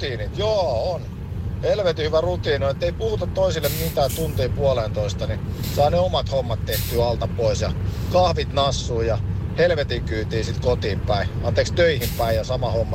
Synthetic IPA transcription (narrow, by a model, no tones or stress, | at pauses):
iːnit̪joːon | helʋet̪ihyʋærut̪iːnionet̪ːeipuhut̪ɑt̪toisilːemmit̪æːtt̪unt̪iːpuɑleːnt̪oist̪ɑnisɑːneomɑt̪homːɑt̪t̪eht̪yːɑlt̪ɑppoisjɑkɑhʋit̪nɑsːuːjɑhelʋet̪ikyːt̪iːsit̪kot̪iːmpæiɑnt̪eːˑkst̪øihimpæijɑsɑmɑhomːɑ